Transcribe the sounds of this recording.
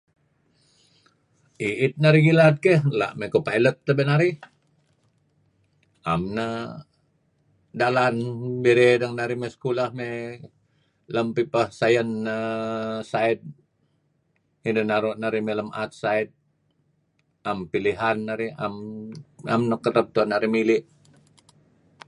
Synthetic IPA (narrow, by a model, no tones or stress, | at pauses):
iit̪̚naɾiɡilat̪̚kehla̰ʔmekopailət̪ːəbenaɾi | amnə | dalanbeɾedəŋnaɾimesə̥kulahme | ləmpipahsajənːəsait̪̚ | indənaɾoʔnaɾimeləmat̪̚sait̪̚ | ampiliɦanːaɾia̰m | a̰mnəkəɾəp̚t̪uanaɾimilɪʔ